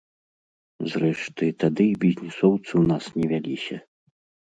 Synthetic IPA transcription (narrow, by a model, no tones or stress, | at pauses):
zrɛʂt̪ɨt̪ad̪ɨbʲizʲnʲisɔwt̪sɨwnasnʲɛvʲalʲisʲɐ